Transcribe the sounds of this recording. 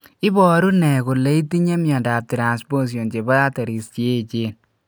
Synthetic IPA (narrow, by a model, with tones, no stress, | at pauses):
ɪ˦bɔ˦˨ɾu˦nɛ˨kʊ˨le˦i˦ti˦ɲe˦mjɔ˨nda˨p̚tɾa˨nspo˦s̬jo˨nt͡ʃe˨bɔ˦ja˦ta˨ɾi˨st͡ʃe˦˨t͡ʃeː˦n